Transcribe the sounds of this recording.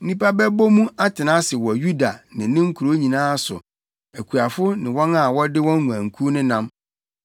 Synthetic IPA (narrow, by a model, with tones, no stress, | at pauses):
n̩˦nĩ˦pa˦bɛ˦bo˦mũ˦ʔa˦tʰɪ˨nã˦sɪ˨wɔ˨ju˦da˨nɪ̃˨˦nɪ̃˦ŋ̩˦kʰu˨ɾo˦ɲĩ˨nãː˦˨sʊ̰˨ | æ˨kʰu˨a˨fʊ˦nɪ̃˨wɔ̃˦na˨wɔ˦dɪ˦wɔ̃˦nnũ˨ã˨ŋ̩˨kʰu˦nɪ̃˦nã˦m